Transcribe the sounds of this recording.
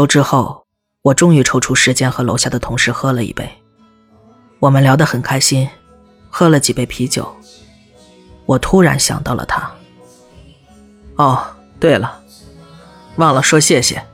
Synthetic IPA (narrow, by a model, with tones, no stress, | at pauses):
o˧˥ʊʈ͡ʂɻ̩˥xo˥˩ʊ | wɔ˨˩ʈ͡ʂʊ˥ŋy˧˩ʈ͡ʂʰo˥ʊʈ͡ʂʰu˥ʂɻ̩˧˥t͡ɕjɛ˥nxɤ˧˥lo˧˥ʊɕja˥˩d̪ə˩t̪ʰʊ˧˥ŋʂɻ̩˥˩xɤ˥lə˨ḭ˧˩pe˥˩ɪ | wɔ˨˩mə˦nljɑ˧˥ʊd̪ə˧xə˨˩nkʰa˥ɪɕi˥n | xɤ˥lə˨t͡ɕi˨˩pe˥˩ɪpʰi˧˥t͡ɕjo̰˨˩˦ʊ | wɔ˨˩t̪ʰu˥ɻa̰˧˥nɕjɑ̰˨˩ŋt̪ɑ˥˩ʊlʔə̰˩t̪ʰa˥ | ɔ˥˩ | t̪we˥˩ɪlə˩ | wɑ˥˩ŋlə˩ʂwɔ˥ɕjɛ˥˩ɕjɛ̰˨˩